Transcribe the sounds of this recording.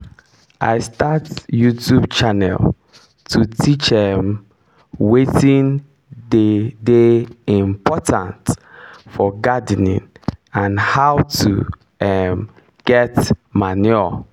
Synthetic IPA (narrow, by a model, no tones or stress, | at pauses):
ʔa̰ɪstatjutʰjubt͡ʃanɛ̰l | tʰutʰit͡ʃɛm | wetĩn | dedeĩmpʰɔtʰã̰ntfɔɡadnḭ̃n | ãnhaʊtʰṵ | ɛm | ɡ̥ɛtmanɔ